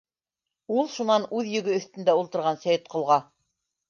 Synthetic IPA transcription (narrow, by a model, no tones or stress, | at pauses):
ulˠʃunɑnʉðjɵ̆ɡɵɵ̆θt̪ɘ̆nd̪æulˠt̪ɤ̆ɾʁɑnsæjɘt̪̚qʰŏlˠʁɑ